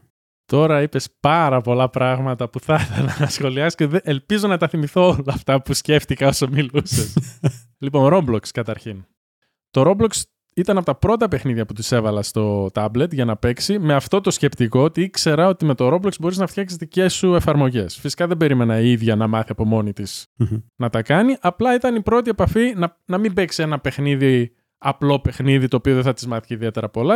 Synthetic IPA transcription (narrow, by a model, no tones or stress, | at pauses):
t̪o̞ɾɐipe̞spɐɾɐpo̞lɐpɾɐɣmɐt̪ɐpuθɐθelɐnɐsxo̞liɐssceðeʔelpizonɐt̪ɐθimiθoolɐːft̪ɐpusce̞ft̪ikɐo̞sɐmiluses | lipo̞nɾo̞blokskɐt̪ɐɾçin | t̪o̞ɾo̞bloks | it̪ɐnɐpot̪ɐpɾo̞t̪ɐpe̞xniðʝɐput̪ise̞vɐlɐst̪o̞t̪ɐble̞t̪ʝɐnɐpe̞ksime̞ɐft̪o̞t̪o̞sce̞pt̪iko̞ot̪iikse̞ɾɐo̞t̪ime̞t̪o̞ɾo̞bloksbo̞ɾiznɐft̪çɐksizðice̞sːue̞fɐɾmo̞ʝe̞sfisi̥kɐðebe̞ɾime̞nɐiðʝɐnɐmɐθiɐpo̞mo̞nit̪isnɐt̪ɐkɐniʔɐplɐit̪ɐnipɾo̞t̪̬ie̞pɐfinɐnɐmimbe̞ksie̞nɐpe̞xniði | ɐplo̞pe̞xniðit̪o̞ːpioðeθɐt̪izmɐθiciðie̞t̪e̞ɾɐpo̞lɐ